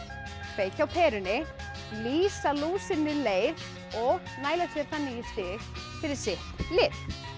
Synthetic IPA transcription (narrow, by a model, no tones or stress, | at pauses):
feːjcawpʰɛːɾʏnɪ | liːsaluːsɪnɪleːjð | ɔɣnaːjlasjɛɾ̥θanːɪist̪ɪːɣ | fɪɾɪɾ̥sɪht̪lɪθ